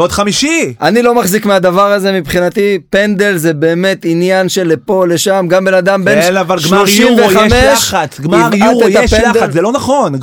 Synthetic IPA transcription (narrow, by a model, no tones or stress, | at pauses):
od̪χamiʃiʔanilo̞maχzikmead̪avaʁaze̞mipχinat̪ipe̞nd̪e̞lzebe̞ːme̞t̪injanʃe̞lepo̞le̞ʃamɡambenad̪ambennavalɡmloʃieamelʃat͡sɡmijajt̪aʃendazelonaχon